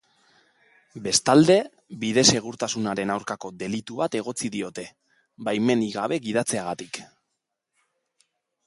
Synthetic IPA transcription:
be̞st̪ald̪e̞ | βiðe̞se̞ɣ̞uɾt̪asunaɾe̞nawɾkako̞d̪e̞lit̪uβat̪e̞ɣ̞o̞t͡siðio̞t̪e̞ | bajme̞niɣaβe̞ɣið̞at͡se̞aɣat̪ik

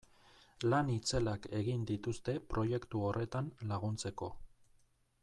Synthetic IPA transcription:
lanit͡se̞lake̞ɣind̪it̪ust̪e̞pɾo̞je̞kt̪uo̞rʔe̞t̪anlaɣ̞unt͡se̞ko̞

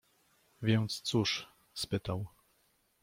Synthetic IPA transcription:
vʲjɛnt̪st̪suʂ | spɘt̪aw

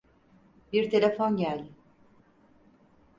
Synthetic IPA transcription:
biɾt̪ʰe̞lʲefonɟælʲ

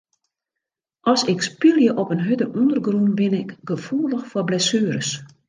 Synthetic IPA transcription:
ʔɔsɪkspilˠjəʔɔpənɦødəʔundərɡrunbɪnɪkɡ̥əfuələxfɔblɛsyːəɾəs

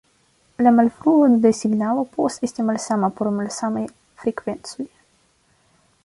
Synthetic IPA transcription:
lamalfɾuod̪esiɡnawopost̪est̪imalsamapormalsamaj | fɾekvent̪suj

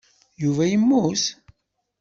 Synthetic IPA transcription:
juvæjəmːus

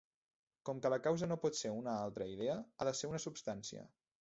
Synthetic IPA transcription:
kɔmkələkawzənopɔt̪seunəalˠt̪ɾəiðeəaðəseunəsupst̪ansiə̰

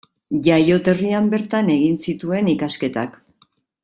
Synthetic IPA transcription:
ʝajo̞t̪e̞riambe̞ɾt̪ane̞ɣinsit̪ue̞nikaske̞t̪a̰k

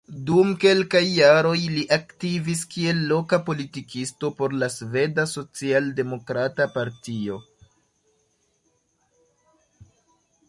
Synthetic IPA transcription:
dumke̞lkajːaɾo̞jliʔaktiviskie̞lːo̞kapo̞litikistopo̞ɾlasve̞daso̞t͡sialde̞mo̞kɾatapaɾtio̞

